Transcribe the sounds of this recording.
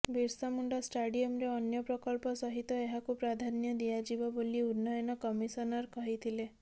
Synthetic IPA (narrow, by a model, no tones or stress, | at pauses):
biɾsamuɳɖɔsʈaɽiɔmɾeɔnjɔpɾɔkɔlpɔsɔɦit̪ɔeɦakupɾad̪ʱanjɔd̪ijad͡ʒibɔboliunːɔjɔnɔkɔmisɔnɔɾkɔɦit̪ʰile